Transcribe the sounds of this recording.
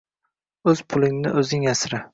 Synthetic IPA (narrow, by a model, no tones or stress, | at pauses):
ɵz̥pʰʊlˠɪŋnɪʔɵzɪŋasɾɪ